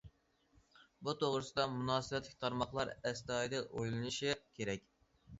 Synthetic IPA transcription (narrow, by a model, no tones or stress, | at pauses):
but̪ʰoʁɾɨsɨd̪ɑmunɑːsɨbɛt̪lɪkʲt̪ʰɑɾmɑχlˠɑɾɛst̪ɑːjd̪ɛʔojlˠɨnɨʃikʲʰeɾɛkʲ